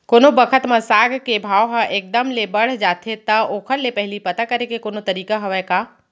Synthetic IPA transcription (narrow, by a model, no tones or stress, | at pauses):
koːnobəkʰət̪mãsaːɡʱkebʱaːoɦaʔeːk̚d̪əmlebɐɽ̤d͡ʒaːt̪ʰet̪ɐoːkʰəɾlepɛɦɪlipɐt̪akɐɾekekoːnot̪ɐɾiːkaɦɐʋɛkaː